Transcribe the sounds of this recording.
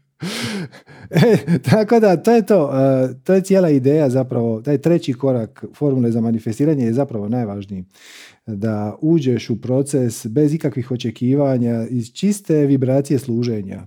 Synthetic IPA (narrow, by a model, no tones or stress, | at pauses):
et̪ʰako̞d̪at̪o̞ːjet̪o̞ːt̪oːje̞tsjelˠaid̪e̞ːjazapɾaʋo̞t̪aːjt̪ɾe̞t͡ɕiko̞ɾakfo̞ɾmule̞zamanife̞st̪iːɾaɲejezapɾaʋo̞najʋaːʒnii | d̪auːd͡ʑe̞ʃupɾo̞t̪se̞sbe̞zikakʋixo̞t͡ʃe̞kiːʋaɲaiz̥t͡ʃist̪e̞ʋibɾaːt̪sije̞slˠuːʒe̞ɲa̰